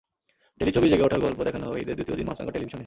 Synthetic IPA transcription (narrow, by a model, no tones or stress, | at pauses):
ɖelit͡ɕʰobid͡ʑeɡeɔʈʰaɾɡɔlpod̪ɛkʰanoɦɔbeejd̪eɾd̪ut̪ijod̪inma̰sa̰ɡoɾʈelibʱiʃone